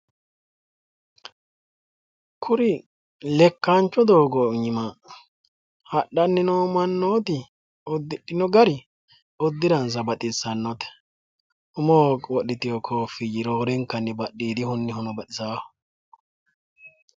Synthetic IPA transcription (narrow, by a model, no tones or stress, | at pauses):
kʰʊɾɪ | lɛkːant͡ʃːɔd̪o̞ːɡɔɲɪmɐ | hɐɗɐnːɪnomɐnːoːt̪ɪ | ɔd̪ɪɗɪnɔɡɐɾɪ | ɔd̪ːɪɾɐnsɐbɐt̪ʼɪsɐnːɔt̪ɛ̥ | ʊmoːkwɔɗɪt̪ɪjɔkʰofɪjɪɾoːɾɛŋkːɐnːɛbɐɗːiːd̪ɪhʊnːɪhʊnɐbɐtɪzḁː